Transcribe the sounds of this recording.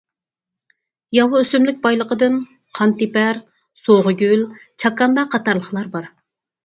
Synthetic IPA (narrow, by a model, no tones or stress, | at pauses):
jɑwʊøsymlɪk̚ʲbɑjlˠəqəd̪ɨn | qʰɑnt̪ɪpæɾ | soʁəɡʲylt͡ʃʰɑkːɑnd̪ɑqʰɑt̪ɑɾlˠəχlˠɑɾbɑɾ